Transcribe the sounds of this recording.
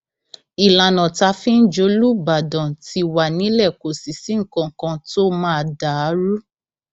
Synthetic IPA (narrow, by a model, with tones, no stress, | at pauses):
i˨la˨nɔ̃˨ta˧fĩ˦n̩˦d͡ʒo˨˧˦lu˦ba˨dɔ̃˨ti˧wa˨nĩ˦lɛ˦˨ko˨si˨si˨˦ŋ̩˦˨kã˧˦kã˧to˦mã˦a˧˨da˨˦ɾu˦